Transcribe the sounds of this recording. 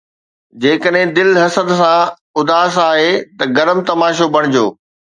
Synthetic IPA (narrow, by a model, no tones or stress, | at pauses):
d͡ʑeːkəɗɦɪ̃d̪ɪlɦɐsəd̪sã | ʊd̪aːsaːɦet̪ɐɡɐɾəmt̪ɐmaːʃobʱɐɽ̃ɪd͡ʑoː